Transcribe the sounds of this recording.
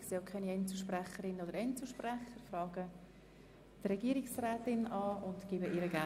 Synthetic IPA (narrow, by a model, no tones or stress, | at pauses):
kseːkʰɛniɛnt͡suʃprɛχəɾɪnənodəɾɛnt͡suʃprɛχəɾfrɑːɡə | t̪rɛɡiːəɾɪksrɛːtɪnɑːʊntɡ̥iːbəʔiɾəɡæ